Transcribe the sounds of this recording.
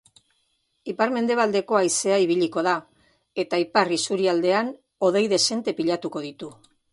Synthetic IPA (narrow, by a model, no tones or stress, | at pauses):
ipaɾme̞nd̪e̞β̞ald̪e̞ko̞ajse̞aiβ̞iʎiko̞ða | e̞t̪aiparisuɾiald̪e̞an | o̞ðe̞jðe̞se̞nt̪e̞piʎat̪uko̞ð̞it̪u